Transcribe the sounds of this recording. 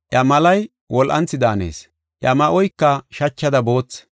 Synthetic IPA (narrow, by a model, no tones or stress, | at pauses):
ʔjɐmɐlɐj | wɔlʔɐ̰nt͡sːɪd̪aːnḛːs | ʔjɐmɐʔɔjkːɐʃɐt͡ʃːɐd̪ɐbo̞ːt͡sː